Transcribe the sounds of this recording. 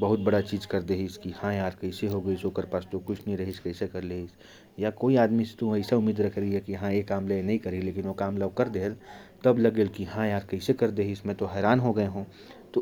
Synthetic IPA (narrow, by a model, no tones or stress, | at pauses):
bɐɦʊt̪̚bɐɽat͡ʃiːd͡ʒkɐɾd̪eːɦiskihãjaːɾkɐɪseɦoɡɐisoːkəɾpaːst̪okʊt͡ʃʰnəĩɾɐɦiskɐɪsekɐɾleːɦis | jakoːiaːd̪mist̪uɐɪsaʊmːiːd̪ɾɐkʰɾɐɦiɦɛkiɦãeːkaːmlaenɐɦĩkɐɾileːkɪnokaːmlakɐɾd̪eːlt̪ɐblɐɡeːlkiɦãjaːɾkɐɪsekɐɾd̪eːɦɪsmɛ̃ːt̪oɦɛːɾaːnɦoɡɐeɦũː | t̪o